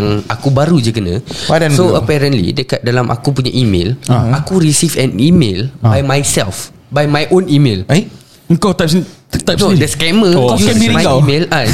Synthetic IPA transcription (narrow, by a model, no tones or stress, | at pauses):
ŋakubaɾud͡ʒəkənãpadansoəpɛɾə̃nlḭdəkat̪̚dalamʔa̰kup̬uɲaʔimḛ̃lakuɾisifɛ̃nimelbajmajsɛlf | bajmajʔõnimel | kot̪apsit̪ap̚soidəskɛməkokɛmimajɡamela